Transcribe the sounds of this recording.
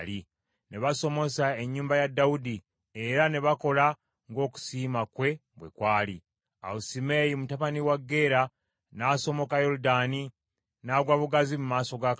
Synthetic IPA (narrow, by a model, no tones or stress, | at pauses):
li | ne̞βaso̞mo̞sae̞ɲːuːmbajadːaudi | e̞ɾane̞βako̞la | ŋɡo̞ːku̥siːmakwe̞ | bwḛkwaːli | a̰usimejimutaβaniwaɡːe̞ːɾa | naːso̞mo̞kajo̞ɾudani | naɡwaβuɡazimumaːso̞ɡak